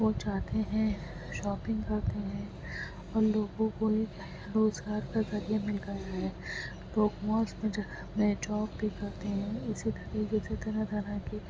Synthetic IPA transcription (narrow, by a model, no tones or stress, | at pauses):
ʋot͡ʃaːɦt̪eɦɛ̃ | ʃɔːpɪ̃ŋɡkɐɾt̪eɦɛ̃ | ɔːɾloːɡõkoɦi | ɾoːzɡaːɾkazɐɾijamɪlɡəjaɦɛː | loːkmɔːsmẽd͡ʒɐɐpnet͡ʃɔːp̚bʱikɐɾt̪eɦɛ̃ɪsit̪ɐɾiːkeset̪ʰenɐd̪ʱɐɾaki